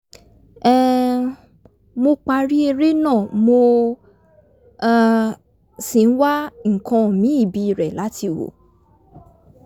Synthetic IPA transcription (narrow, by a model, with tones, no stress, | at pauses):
ɛ˦ | mo˧k͡pa˧ɾi˦e˧ɾe˦nãː˦˨mo˧˨ | si˨n̩˦wa˦ŋ̩˨kã˧˨mĩ˨˦i˦˨bi˧˨ɾɛ˨la˨˦ti˧wo̰˨